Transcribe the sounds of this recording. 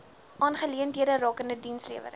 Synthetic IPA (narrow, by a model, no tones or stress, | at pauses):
ʔɑːnχəliəntiədərɑːkəndədinsliəvə̰ɾ